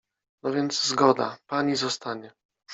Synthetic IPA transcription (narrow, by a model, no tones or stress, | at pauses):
nɔvʲjɛnd̪zzɡɔd̪a̰paɲizɔst̪aɲɛ